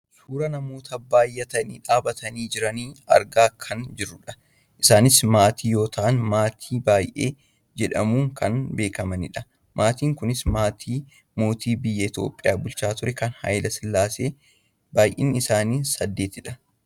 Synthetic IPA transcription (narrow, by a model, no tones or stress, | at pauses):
suːɾɐnɐmo̞ːt̪ɐbaːjʔɐt̪ɐnḭːᶑaːbɐt̪ɐniːd͡ʒɪɾɐniːɐ̰ɾɡaːkʰɐnd͡ʒɪɾːʊᶑɐ | ʔɪsaːnɪsmaːt̪ʰiːjo̞ːt̪ʰɐʔɐnmaːt̪ʰiːbaːjʔeː | d͡ʒɛᶑɐmuːŋkɐnbe̞ːkɐmɐnɪ̰ᶑɐ | mʔaːt̪iːŋkʊnɪsmaːt̪ʰiː | mo̞ːt̪ʰiːbɪjːɐɪt̪jo̞̰ːpʼːɪjaːbʊlt͡ʃaːt̪ʊɾɛkɐnhɐ̰jlɐsɪlːaːse̞ː | baːjʔiːnɪsaːniːnsɐd̪ːe̞ːt̪ɪᶑɐ